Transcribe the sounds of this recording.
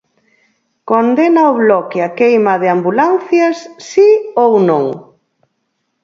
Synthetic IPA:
kond̪enaoβlɔkɪakejmɐðɪambulanθjɐsːiownõŋ

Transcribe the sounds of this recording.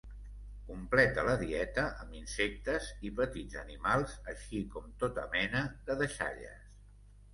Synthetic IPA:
kumplɛt̪ələðiɛt̪əʔəmbinsek̚t̪əzipət̪idd͡zənimalˠzəʃikɔmt̪ot̪ə̰mɛnəðəðəʃa̰ʎə̰s

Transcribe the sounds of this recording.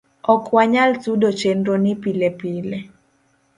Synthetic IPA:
ɔkwaɲaltudot͡ʃendɾonɪpilepile

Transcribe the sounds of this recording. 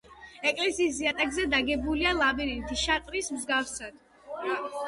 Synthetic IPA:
ɛkʼlɛsiːs̬iat̪ʼɛɡzɛd̪aɡɛbulialˠabiɾit̪ʰiʃat̪ʼɾismzɡafsad̪̥

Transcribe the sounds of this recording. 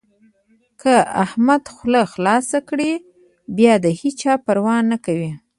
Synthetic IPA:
kʰəahmad̪xləxlɑsakɽi | bjɑd̪əhit͡ʃɑpəɾwɑnːakawi

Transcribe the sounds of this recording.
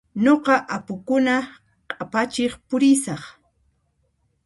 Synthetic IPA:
ɲoqɑʔapʊkʊna | qʼapat͡ʃɪχpʊɾɪsɑχ

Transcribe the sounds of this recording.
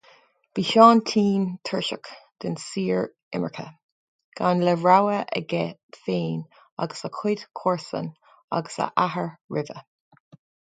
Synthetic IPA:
b̥iːʃɑːnt̪ʰiːnt̪ʰəɹʃə̰kd̪̥ɪnsiːɹ | ɪmə̰ɹkʰə̰ | ɡ̥anlɛɹawəʔə̰ɡɛfeːn | a̰ɡəsakʰʊdkʰɔɹsə̰n | a̰ɡəsa̰ʔaɦəɹɹɪvə

